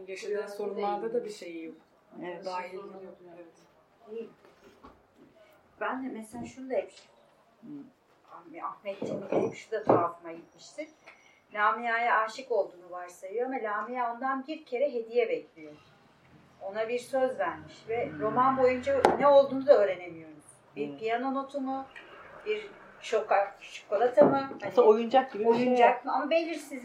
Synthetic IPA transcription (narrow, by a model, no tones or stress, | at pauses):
ɟet͡ʃ̪iinso̞ɾunlˠaɾd̪ad̪abiʃejijok | ɛɛaɾioɛvɛt̪ | ej | b̥ænd̪ɛmɛselʲaːʃunud̪aɛp | amahmɛt̪ʰːiit̪ijipʃud̪at̪ʰafɯmaɟit̪miʃt̪ʰin | lʲaːmijaːjaaːʃiko̞lˠd̪uːnuvaɾsajɯjoamalʲaːmijaond̪anbiɾcʰe̞ɾɛɦe̞d̪ijɛbɛclʲijo | o̞nabiɾsø̞zvæɾmiʃvɛɾo̞manbo̞jund͡ʒanɛo̞lˠd̪uːnud̪aøːɾe̞ne̞mijoɾz | biɾpʰijano̞no̞t̪ʰunubiɾ | ʃokːaʃʰu̥kʰːolˠat̪ʰamɯhanojund͡ʒak̚ɟibiojund͡ʒakmɯamabelʲiɾsiz